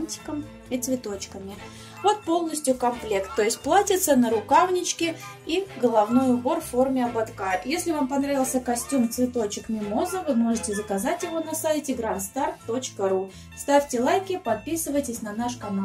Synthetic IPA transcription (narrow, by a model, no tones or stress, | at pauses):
nʲtʲɪ̥kəm | it̪svʲɪt̪o̞t͡ɕkəmʲɪ | vo̞t̪̚po̞lˠnəsʲtʲjʊkɐmplʲe̞kt̪ːo̞jɪsʲtʲplˠatʲɪt̪sənəɾʊkavnʲɪt͡ɕkʲɪiɡəlˠɐvnojʊbo̞rffo̞rmʲɪɐbɐt̪kajɪpjesʲlʲɪvampɐnɾavʲɪlˠsʲəkɐsʲtʲumt̪svʲɪt̪o̞t͡ɕɪkmʲɪmo̞zəvɨmo̞ʐɨtʲɪzəkɐzatʲjɪvo̞nɐsajɪtʲɪɡɾant̪st̪art̪ːo̞t͡ɕkəɾu | st̪afʲtʲɪlˠajkʲɪpɐt̪̚pʲisɨvəjtʲɪsʲnɐnaʂkɐmu